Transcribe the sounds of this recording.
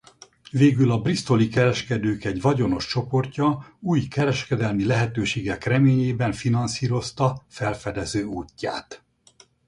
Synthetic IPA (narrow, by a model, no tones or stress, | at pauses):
veːɡylɒbrist̪o̞likɛɾɛʃkɛd̪øːkɛɟvɒɟo̞no̞ʃt͡ʃo̞po̞rcɒuːjkɛɾɛʃkɛd̪ɛlmilɛɦɛt̪øːʃeːɡɛkrɛmeːɲeːbɛɱfinɒnsiːɾo̞st̪ɒfɛlfɛd̪ɛzøːuːcːa̰ːt̪